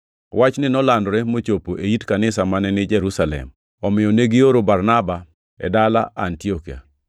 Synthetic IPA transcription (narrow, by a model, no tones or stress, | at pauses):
wʔat͡ʃnɪnɔlandɾɛmot͡ʃopoʔeitkanɪsamanɛnɪd͡ʒɛɾusalɛ̰m | ɔmɪjɔneɡɪjoɾobarnaba | ɛ̰dala̰ʔa̰ntiɔkia̰